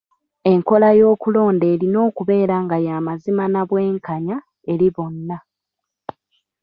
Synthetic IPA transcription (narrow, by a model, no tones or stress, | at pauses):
e̞ŋko̞lajo̞ːkulo̞ːnde̞ːɾino̞ːkuβe̞ːɾaŋɡajaːmazimanaβwe̞ːŋkaɲa | e̞ɾiβo̞nːa